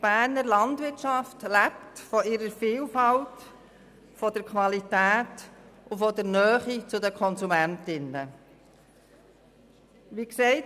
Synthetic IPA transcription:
b̥æːɾnəɾlɑndʋɪɾtʃɑftlæp̚tfɔɪɾəɾfiːlfɑlt | fɔdəɾkʰʋɑlitæːtʊfɔdəɾnœːχit͡sʊdəkʰɔnsumæntɪnə | ʋiksɛɪt

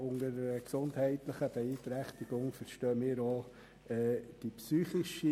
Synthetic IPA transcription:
ʊŋəɾəksʊnthɛɪtləχəb̥ɛiːt̪ɾæχt̪iɡ̥ʊŋfəɾʃtœːmɪːɾoː | ɛd̥ipsyːχɪʃi

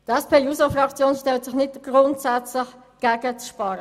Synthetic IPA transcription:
dɛspʰeːjuːsofʁɑkt͡sjoːnʃtɛltsɪχnɪtɡ̥ʁʊntsɛt͡slɪχ | ɡ̥ɛɡət͡sʃpɑːɾə

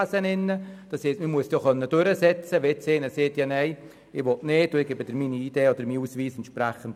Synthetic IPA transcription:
sənɪnːəd̥ɑshestməmuəstjoχœnːəd̥øɾəsɛt͡səʋet͡seːnəseːtjɑːnɛɪ | ɪʋɔtneːtʊɪɡ̥ebəd̥əɾmiːniid̥eːɔd̥̪əɾmiːuːsʋiːsɛntʃpɾɛχənt

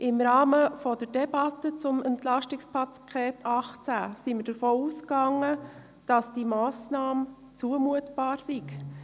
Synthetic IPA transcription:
ʔɪmɾɑːməfɔd̥əɾdɛbɑtət͡sʊmɛntlɑʃtɪkspʰɑkʰeːtʰɑχt͡sæːsiməɾdəɾfoːuːskɑŋːə | d̥ɑsd̥imɑːsnɑːm | t͡suəmuətb̥ɑːɾsik

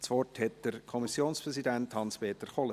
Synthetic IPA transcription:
sʋɔrthɛtd̥əɾkʰɔmisjoːnspʁɛsidænthɑnspeːt̪əɾχɔlə

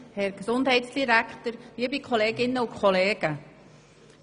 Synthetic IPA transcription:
hɛɾɡ̥sʊndɦɛɪtsd̥iɾækχtəɾʋiəbikʰχɔleːɡɪnːəukʰχɔleːɡ̥ə

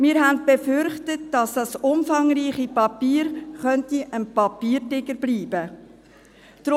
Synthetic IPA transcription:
mɪːɾɦæntb̥efʏɾχtət̚d̥ɑsd̥ɑsʊmfɑŋɾiːχipɑpiːɾχœntiʔənpɑpiːɾdɪɡəɾbliːbə | d̥ɾ

